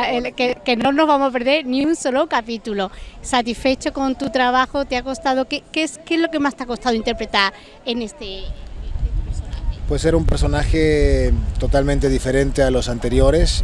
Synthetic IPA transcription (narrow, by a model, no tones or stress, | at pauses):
elkekenono̞zβamoape̞ɾðe̞ɾniunsolokapit̪ulo̞sat̪isfe̞t͡ʃoko̞nt̪ut̪ɾaβ̞axot̪eako̞st̪að̞okekeskezlo̞ke̞mast̪eako̞st̪aðoint̪eɾpɾe̞t̪aɾ | ene̞st̪eeesaepweseɾaumpe̞ɾso̞naxet̪o̞t̪almẽnt̪e̞ðife̞ɾe̞nt̪e̞alo̞sant̪e̞ɾjo̞ɾe̞s